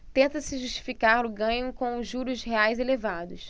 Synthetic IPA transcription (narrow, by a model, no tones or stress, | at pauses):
t̪ẽnt̪ɐsɪʒuʃt͡ʃi̥fikaɾlʊɡɐ̃ɲʊkõw̃ʊʒuɾʊʃɦeajzelevad̪ʊs